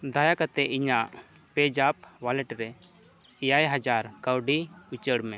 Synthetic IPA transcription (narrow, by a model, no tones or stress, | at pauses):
d̪ajakat̪ɛʔiɲaʔ | pɛd͡ʒap̚walɛʈɾɛ | jajɦad͡ʒaɾkəwɖiut͡ʃəɽmɛ̃